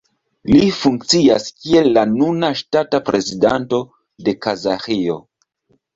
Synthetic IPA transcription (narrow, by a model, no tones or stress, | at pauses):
lifuŋk̚t͡sia̰skielːanunaʃtatapɾe̞zidanto̞ | de̞kazaxio̞̰